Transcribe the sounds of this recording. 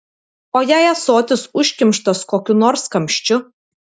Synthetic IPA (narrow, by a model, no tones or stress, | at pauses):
oːjæɪɐsoːt̪ʲɪsʊʃʲkʲɪmʲˑʃt̪ɐskoːkʲʊnɔːɾskɐmʲʃʲt͡ʃʲʊ